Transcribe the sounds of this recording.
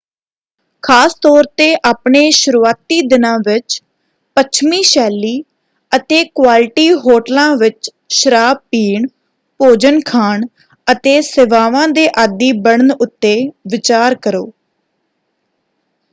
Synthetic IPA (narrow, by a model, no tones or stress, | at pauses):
kʰaːst̪ɔːɾt̪eːʔaːpɳeːʃʊɾuːaːt̪iːd̪ɪnãːʋɪt͡ʃ | pət͡ʃʰmĩːʃɛːlːiː | ət̪eːkwaːlʈiːɦoːʈəlãːʋɪt͡ʃ | ʃəɾaːb̚piːɳ | poːd͡ʒənkʰaːɳ | ət̪eːseʋaːʋãːd̪eːʔaːd̪iːbəɳənʊt̪ːeːʋɪt͡ʃaːɾkəɾoː